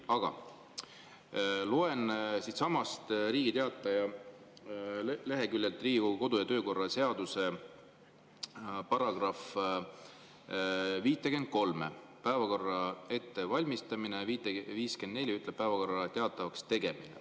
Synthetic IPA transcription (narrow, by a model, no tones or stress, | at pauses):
ɑɡ̥ɑ̰ | loensit̪sɑmɑst̪ɾiːɡit̪e̞ɑt̪ˑːɑjɑ | le̞ɦe̞kylʲjelt̪ːˑriːɡuko̞d̪̥ujɑt̪ø̞ːko̞rːɑse̞ɑd̪̥use̞ | pɑɾɑɡ̥rɑf | viːt̪ːˑeke̞nd̪̥̚ko̞lmepæevɑko̞rːɑe̞t̪ːe̞vɑlʲmist̪ɑminet̪viːskend̪ne̞lʲiyt̪lep̚pːæevɑko̞rːɑt̪e̞ɑt̪ːˑɑvɑkst̪e̞ɡ̥e̞minḛ